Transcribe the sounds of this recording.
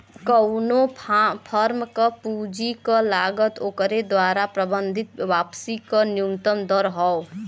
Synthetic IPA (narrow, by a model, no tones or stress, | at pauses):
kəʊnopʰəɾmkəpud͡ʒikəlaɡət̪okɾed̪waɾapɾəbənd̪ʱit̪̚ʋapsikəniumt̪əmd̪əɾɦɔo